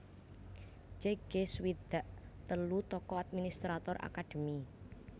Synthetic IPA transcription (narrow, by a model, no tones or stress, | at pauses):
t͡ʃeɡ̥eswid̪̥a̤ʔt̪əlut̪ɔkɔad̪̚minist̪ɾat̪ɔrʔa̰kad̪̥ə̤mi